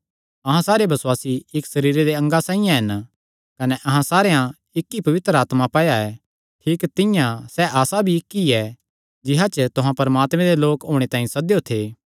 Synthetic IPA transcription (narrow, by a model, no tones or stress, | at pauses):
ɐɦãsaːɾebɐswaːsiɪksɐɾiːɾed̪eɐ̃ŋɡasãːĩjãɦɪn | kɐnɛʔɐɦãsaːɾejã | ɪkːipɐʋɪt̪ɾəaːt̪mapɐːjaɛ | ʈʰiːkt̪ɪjãsɛʔaːsabʱiɪkːiɛ | d͡ʒɪɦat͡ʃət̪ʊɦãpɐɾəmaːt̪mɛ̃d̪eloːkɦoːɽ̃et̪ãːĩsɐd̪jot̪ʰeː